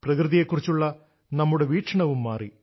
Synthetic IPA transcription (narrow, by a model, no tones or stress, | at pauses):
prɐkrɨðije̞kːurit͡ɕːuɭːɐ | nɐmːuɽe̞ʋiːʈʂɐɳɐʋumːaːri